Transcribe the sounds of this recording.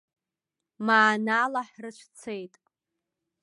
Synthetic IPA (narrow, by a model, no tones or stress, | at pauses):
maːnalaħrɨt͡ʃʷʰt͡sʰe̞jtʼ